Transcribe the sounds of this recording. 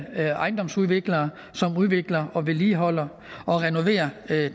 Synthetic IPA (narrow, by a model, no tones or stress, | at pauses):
ʔɑ̈ɪnd̥ɒ̽msuð̞ˠʋe̝ɡ̥lɐː | sɒ̽muð̞ˠʋe̝ɡ̥lɐɒ̽ʋe̝liːɦɒ̽l̰ɐ | ɒ̽ʁɛno̝ʋe̝̰ːɐ